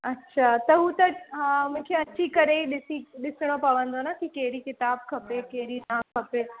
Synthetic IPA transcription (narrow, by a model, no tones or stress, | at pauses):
ɐtːɕʰat̪ɐɦut̪ɐɦãmʊ̃ːkʰeɐt͡ɕikɐɾeiɗɪsiɗɪsɪɽ̃opɐʋə̃nd̪onakikɐɦɪɾikɪt̪aːb̚kʰɐpekɐɦɪɾinaːmkʰɐpeː